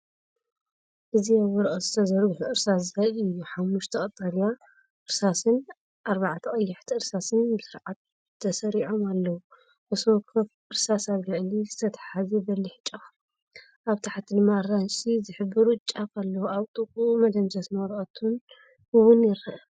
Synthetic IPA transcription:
ʔɨziaβɔɾʔɐzɨt̪ʰɐzɐɾuħuʔɨɾsaszɨhɐɨjːuħamːuʃt̪ʰɐkʼɐt̪ʼːɐlja | ʔɨɾsasɨn | ʔaɾβaʕt̪ʰɐkʼɐjːɪħt̪ʰiɨɾsasɨnbɨsɨɾʕat̪̚ | t̪ʰːɐsɐɾiʕomalːɐwu | ʔɐswɔkʰːɐf | ɨɾsasaβɡɨʕlizɨt̪ʰɐt̪ʰħazebɐlːiħɨt͡ʃʼːɐx | ʔaβt̪ʰaħat̪ʰːid̪ɨmːaɾansizɨħɨbːɨɾut͡ʃʼːakʰalːɐwuaβt̪ʼɨkʼumɐd̪ɐmzɐsnɐwɾɐt̪ʰun | ɨwʊnjɪɾɐʔ

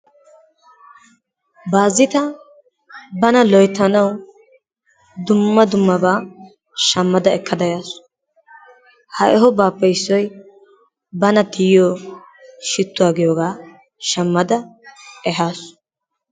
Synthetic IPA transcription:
baːzːɪt̪ɐ | bɐnɐlɔjt̪ːɐnɐw | d̪ʊmːɐd̪ʊmːɐbaː | ʃɐmːɐd̪ɐɛkʰːɐd̪ɐjaːsʊ̥ | hɐʔɛɦɔbaːpːɛjsːɔj | bɐnɐt̪ɪjjɔː | ʃɪt̪ːʊwaːɡɪjoːɡaː | ʃɐmːɐd̪ɐɛɦaːs

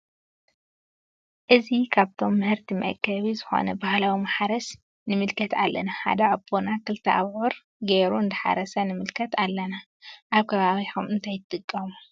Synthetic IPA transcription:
ʔɨzikʰaβt̪ʰo̞mːɨhɨɾt̪ʰimɐ̰ʔkʰːɐβizɨxo̞̰nɐ̰bahlawimaħaɾɐs | nɨmɨlkʰɐt̪ʰalːɐnaħa̰d̪ɐʕɨbːonakɨlt̪ʰɐʔa̰βʕuɾ | ɡeɾuɨnd̪ɨħa̰ɾɐsɐnɨmɨlkʰɐt̪alːɐna | ʔaβkʰɐβaβiħumɨnt̪ʰajɨt̪ʼːɨkʼːɐmu

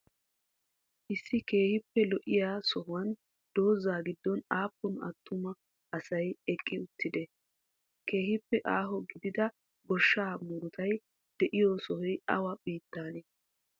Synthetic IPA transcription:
ʔɪsːɪke̞ːhɪpːɛlɔʔɪjaːsɔɦʊwɐn | d̪̥o̞ːzaːɡɪd̪ːɔnaːpːɔnɐ̰t̪ʰːʊmɐ | ɐsɐjɛkʼːɪʊt̪ːɪd̪ɛ | ke̞ːhɪpːɛʔaːɦɔɡɪd̪ɪd̪ɐ | ɡɔʃːaːmʊɾʊt̪ɐj | d̪̥ɛʔɪjɔsɔhɔjɐ̰wɐbiːt̪ːaːne

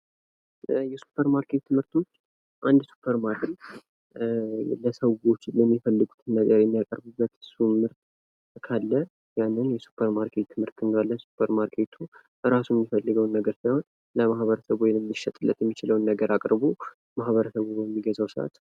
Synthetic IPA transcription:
jɛsu̥pʰəɾmaɾkʰe̞t̪ʰːɨmhɨɾt̪ʰo̞t͡ʃː | ʔand̪su̥pʰːəɾmaɾkʰet̪ | ləsəɡo̞t͡ʃːlɛmːifəlːɨɡut̪ʰnːəɡəɾjɛmːijakʼəɾbɨbːət̪ɨsumɨɾt̪ | kʰalːə | janːɨnjɛsu̥pʰːəɾmaɾkʰe̞t̪t̪ʰːɨmhɨɾt̪ɨnɡ̪alːəsu̥pʰəɾmaɾkʰe̞t̪ʰu | ʔɨɾasujɛmːifəlːɨɡəwnːəɡəɾsajho̞n | ləmaɦβəɾəsəβwɔjəmːiʃːɛt̪ʼɨlːə̰t̪jɛmːit͡ʃɪləwnːəɡəɾakʼɾbo | mahβəɾəsəβoəmːiɡəzəwsɨʔa̰t̪

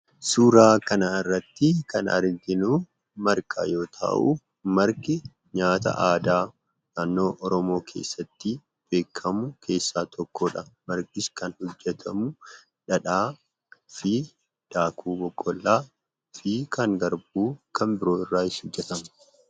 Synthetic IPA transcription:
suːɾaːkɐnaɪrːɐt̪ːɪkɐnɐ̰ɾd̪ɪnuː | mɐɾkʼa̰ːjo̞ːt̪ʰa̰ːʔʊ | mɐɾkɪ | ɲaːt̪ɐ̰ʔaːd̪aː | naːnːo̞ːʔɔɾɔmo̞ːkʰe̞̰ːsːɐt̪ːɪ | b̥e̞ːkʰːɐmʊkʰe̞ːsːaːt̪ʰɔkːoːᶑɐmɐɾkʼɪskɐnhɔd͡ʒːɛt̪ʰɐmʊ | ᶑɐᶑaː | fɪ | d̪̥aːkʰuːbɔkʼːɔlːaː | fikɐŋɡɐɾb̚uːkɐmbɪɾo̞ːɪrːaːɪshɔd͡ʒːɛt̪ɐmɐ̥

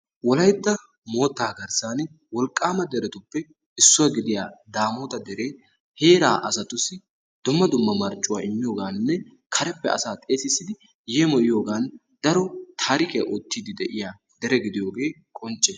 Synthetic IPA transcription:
wɔlɐjd̪ːɐ | mo̞ːt̪ːaːɡɐɾsaːn | wɔlkʼːaːmɐd̪ɛɾɛt̪ʊpːɛ | ɪsːʊwɐɡɪd̪ɪjaːd̪aːmoːt̪ɐd̪ɛɾe̞ː | he̞ːɾaːʔɐsɐt̪ʊsɪ | d̪̥ʊmːɐd̪ʊmːɐmɐɾt͡ʃʼːʊwaːɪmːɪjo̞ːɡaːnːɛ | kʰɐɾɛpːɛɐ̰saːt̪ʼe̞ːsɪsːɪd̪ɪ | jemɔʔɪjo̞ːɡaːn | d̪̥ɐɾɔt̪ʰaːɾɪkɛɐʔot̪ːiːd̪ɪd̪ɛʔɪjaː | d̪ɛɾɛɡɪd̪ɪjo̞ːɡe̞ː | kʼɔnt͡ʃʼːɛ

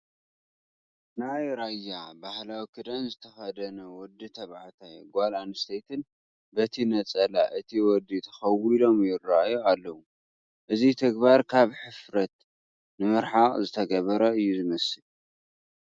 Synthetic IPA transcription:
najɾajabahlawikʰɨd̪ɐnzɨt̪ʰɐxɐd̪ɐnɐwɔd̪it̪ʰɐβahat̪ʰajɡʷalanst̪ʰejt̪ʰɨn | bɐt̪ʰinɐt͡sʼɐla̰ʔɨt̪ʰiwɔd̪it̪ʰɐ̥xɐwilo̞mjɪrːaʔjualːɐwu | ʔɨzit̪ʰɐɡbaɾkʰaβħɨfɾɐt̪ | nɨmɨɾħaqʼzɨt̪ʰɐɡɐβɐɾɐɨjːuzɨmɐsɨl

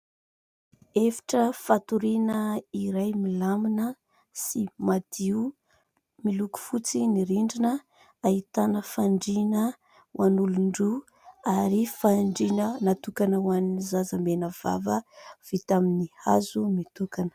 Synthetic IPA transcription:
efi̥ʈ͡ʂəfat̪uɾinəiɾajmilaminə | simad̪̥iu | miluku̥fut͡siniɾiɳɖ͡ʐinə | ait̪anəfaɳɖ͡ʐinə | wʔanuluɳɖ͡ʐu | aɾifaɳɖ͡ʐinənat̪ukanəwaninizazəmenəv̥a̰vəv̥it̪aminiha̰zumit̪ukanə̥

